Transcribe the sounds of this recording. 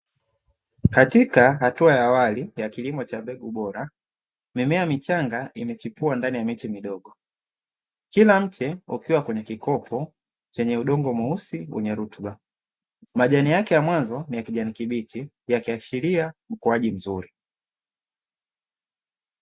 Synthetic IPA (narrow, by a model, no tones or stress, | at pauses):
katikaɦatuajaːwalijakilimɔt͡ʃambɛɡuɓɔɾa | mimɛamit͡ʃaŋɡaimɛt͡ʃipuandanijamitimiɗɔɡɔ | kilam̩t͡ʃɛṵkiwakwɛɲɛkikɔpʰɔ | t͡ʃɛɲɛuɗɔŋɡɔmuusiwɛ̰ɲɛɾutɓa | maʄanijakɛjamwanzɔnijakiʄanikiɓiti | jakiaʃiliam̩kuaʄim̩zuɾi